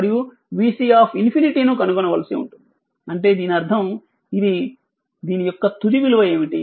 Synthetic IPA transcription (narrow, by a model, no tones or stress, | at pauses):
ɐɾiju | ʋiːsiːaːpʰinpʰiniʈinukɐnukɔnɐʋɐlɐsiṵɳʈund̪i | ɐɳʈe̞ːd̪iːniɐɾd̪ʰʱɐm | id̪i | d̪iːnijɔkːɐt̪ud̪iʋiluʋɐje̞ːmiʈi